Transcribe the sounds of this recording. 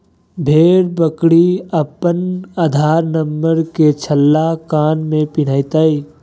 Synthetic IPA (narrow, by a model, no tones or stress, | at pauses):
bʱeːɽbəkɽiəpənaːd̪ʱaːɾnəmbəɾket͡ʃʰəlːakaːnmẽpɪɽ̃aːit̪aːi